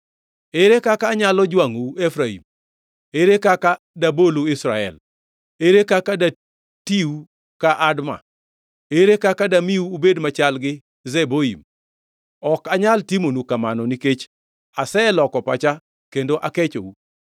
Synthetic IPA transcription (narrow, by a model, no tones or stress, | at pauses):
eɾekakaːɲalɔd͡ʒwaŋuefɾaḭm | eɾekaka | daboloɪsɾaɛ̰l | eɾekakada | tiu | kaʔadma̰ | eɾekakadamiuːbedmat͡ʃalɡɪ | zeboḭm | ɔkaɲaltimonukamanɔniket͡ʃ | asɛlɔkɔpat͡ʃa | kendoʔaket͡ʃo̰u